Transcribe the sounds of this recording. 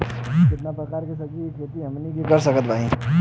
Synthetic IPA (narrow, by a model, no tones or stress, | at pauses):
kɪt̪napɾɐkaːɾkesɐd͡ʒikʰeːt̪iɦɐmnikikɐɾsɐkət̪bʱaːɦĩ